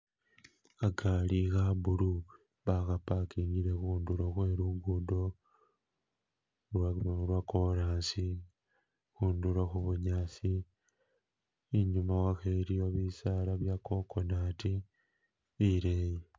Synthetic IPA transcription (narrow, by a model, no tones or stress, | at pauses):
aɡalixabulu | βaxapakiːɲɡiɾe̞xuːnduɾoxwe̞ːɾuɡudo̞ | ɾwakoɾaːnsi | xuːnduloxuβuɲasi | ɲumawaxeɾio̞βisalaβjako̞konatiː | ɾeːje